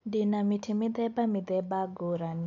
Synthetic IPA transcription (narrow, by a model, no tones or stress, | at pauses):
dinamitʰimid̪ɛbamid̪ɛbaɡuɾan